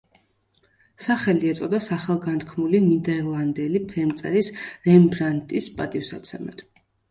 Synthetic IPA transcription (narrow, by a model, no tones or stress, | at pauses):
saχɛliɛt̪sʼɔd̪asaχɛlˠɡant̪kʰmulinid̪ɛɾlˠand̪ɛlipʰɛmt̪sʼɛ̰ɾisɾɛmbɾant̪ʼispʼat̪ʼifsat̪sʰɛ̰mɛ̰t̪